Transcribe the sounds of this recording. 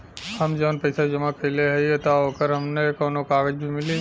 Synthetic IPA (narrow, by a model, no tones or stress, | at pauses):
həmd͡ʒəʋnpɐɪsad͡ʒɐmakʰəɪleɦɐiet̪aɦoːkəɾɦɐmnekoːnõkaːɡəd͡ʒbʱimɪli